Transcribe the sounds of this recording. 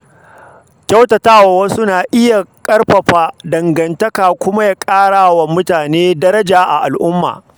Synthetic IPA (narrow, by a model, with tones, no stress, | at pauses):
kʲɐ˦wtɐ˨taː˦wa˨wɐ˦suʊ˦naː˨ʔɪ˦ja˨kʼɐ˦rɸɐ˨ɸaː˦dɐ˨ŋɡɐ˨ntɐ˦kaː˨kʷʊ˦ma˦jaː˨kʼaː˦ɽaː˨wa˨mʊ˦taː˨neː˦dɐ˦ɾɐ˦d͡ʒaː˨ʔa̰˨ʔa˨lʔʊ˦mːa̰ː˨